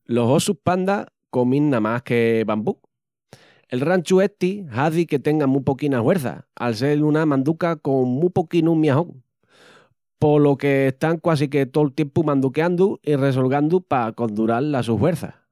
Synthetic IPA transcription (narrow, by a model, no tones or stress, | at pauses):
lo̞ɦo̞suhpand̪a | ko̞mĩnːamahke̞βambu | e̞lrant͡ʃue̞t̪ihaðike̞t̪e̞ŋɡamũpo̞kinahwe̞ɾθa̰a̰ls̬e̞lunamãnd̪ukako̞ŋmũpokinumjaɦõŋ | po̞lo̞ke̞ːst̪aŋkwas̬iket̪olt̪je̞mpumãnd̪ukeand̪uire̞s̬o̞lɣand̪upako̞nd̪uɾalːasuhwe̞ɾθa̰